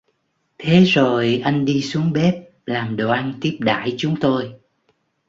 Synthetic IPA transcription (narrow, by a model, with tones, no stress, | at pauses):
t̪ʰe˨˦zo˨˩jʔa˧jŋ̟ɗi˧su˨˦əŋɓɛ˦˥p̚ | laː˨˩mɗo˨˩ʔa˧nt̪i˦˥əp̚ɗa̰ː˧˩˨jt͡ɕʊ˨˦ŋ͡mt̪o˧j